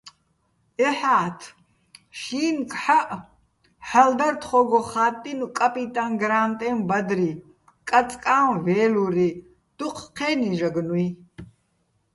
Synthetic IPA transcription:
ɛħaːt̪ʰ | ʃiːnkʰħaʔ | ħald̪ɐrt̪ʰχɔɡɔχaːt̪ʼːinukʼapʼit̪ʼanɡɾaːnt̪ʼɛmbɐd̪ɾi | kʼat͡sʼkʼaːnvɛːluɾi | d̪̥uqʰqʰɛːniʒɐɡnui

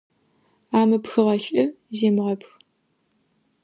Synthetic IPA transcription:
aːmɐpxɨʁɐɬʼɐ | zeːmɨʁɐpx

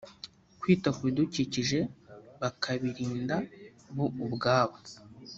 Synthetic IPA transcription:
kwiːtakuiduciciʒe̞βakʰaβiɾiːnda | βuːbɡaːβo

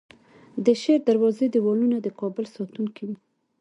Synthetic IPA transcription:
d̪əʃeɾd̪aɾwɑzed̪əwɑlunad̪əkɑbʊlsɑt̪uŋkiwi

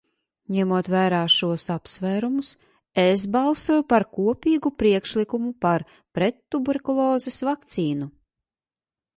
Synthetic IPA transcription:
ɲɛmuɔt̪væːɾaːʃuɔsapsvæːɾumus | es̬balˠsuɔːjupaɾkuɔpʲiːɡupɾiɛkʃlikumupaɾ | pɾɛt̪ːubuɾekulˠɔːzesvakt̪siːnu

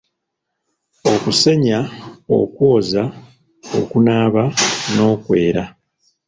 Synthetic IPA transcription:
o̞kuse̞ɲao̞̰kwo̞ːza | o̰kunaːβano̞ːkwe̞ːɾa

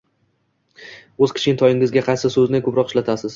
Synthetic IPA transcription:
ɵzkʲʰɪ̥t͡ʃɪnɪt̪ʰɒjɪŋɪzɡʲaqʰɑjsɪsɵznɪkʰɵpɾɒqɪʃlat̪ʰasɪz̥

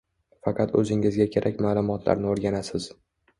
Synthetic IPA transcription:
fɑqʰɑt̪ʰɵ̰zɪŋɪzɡʲakʲʰe̞ɾʔakʲmaːlˠʊmɒt̪ʰla̰ɾnɪoɾɡʲanasɪz̥

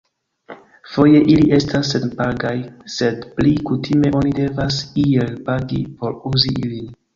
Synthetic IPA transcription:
fo̞je̞ʔiliʔe̞stasːenpaɡajse̞dplikutʰime̞ʔo̞nide̞vasielpaɡḭpo̞ɾuziilin

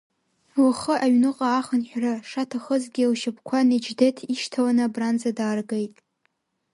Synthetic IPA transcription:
waχəʔaɥnɨqʼaːχənħʷᶣraʂatʰaχəzɡʲilʃɪpʰkʷʰaned͡ʒdetʰiʃtʰawanɨabrand͡zadaːrɡejtʼ

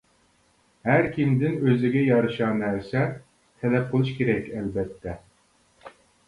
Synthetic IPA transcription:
hæɾkʲimd̪ɪnøzɪɡʲɛjɑɾɨʃɑnæɾsɛ | t̪ʰɛlɛp̚qʰolˠuʃkʲʰeɾɛkʲʰɛlbɛt̪ʰːɛ

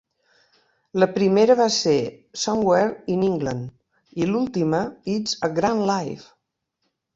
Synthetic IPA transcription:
ləpɾimeɾəβasesɔŋɡwɛɾiniŋɡlən | ilulˠt̪iməizəɡɾanlajf

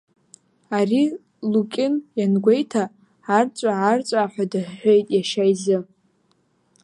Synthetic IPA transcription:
ari | lukʲʼɪnjanɡʷe̞jtʰaː | rt͡sʷʼaːrt͡sʷʼaħʷᶣadɨħːʷᶣo̞jtʼjaʃajzɨ

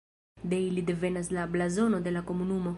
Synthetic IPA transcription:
d̪ejlid̪evenaslablazonod̪elakomunumo

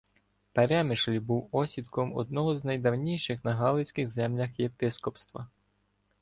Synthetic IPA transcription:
pɐɾʲamɪʃlʲbuwɔsʲid̪kɔmɔ̰d̪̚nɔɦɔznɐjd̪ɐwnʲijʃɪxnɐɦɑlˠɪsʲkɪxzɛmlʲɐxjepʲɪskɔpst̪ʋɐ̰

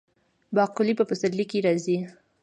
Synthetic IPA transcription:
bɑqʊlipəpəsaɾlikiɾɑzi

